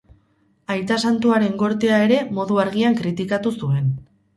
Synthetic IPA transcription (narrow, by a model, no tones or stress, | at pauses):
ajt̪asant̪uaɾe̞ŋɡo̞ɾt̪eae̞ɾe̞mo̞ðuaɾɣ̞iaŋkɾit̪ikat̪usue̞n